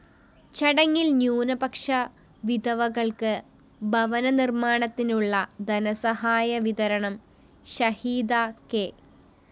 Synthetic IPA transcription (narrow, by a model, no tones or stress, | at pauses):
t͡ɕɐɽɐŋːilnjuːnɐbɐkʂɐ | ʋid̪ɐʋɐɣɐɭkɨ | bʱɐʋɐnɐnirmaːɳɐt̪ːinuɭːɐd̪ɐnɐsɐɦaːjɐʋiðɐɾɐɳɐm | ɕɐhiːd̪aːke